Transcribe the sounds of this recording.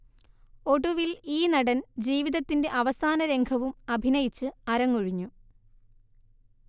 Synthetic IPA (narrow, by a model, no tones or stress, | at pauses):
o̞ɽuʋiliːnɐɽɐnd͡ʑiːʋiðɐt̪ːinde̞ʔɐʋɐsaːnɐɾe̞ŋɡʰʱɐʋumɐbʱinɐjit͡ɕːɨɐɾɐŋːuɻiɲːu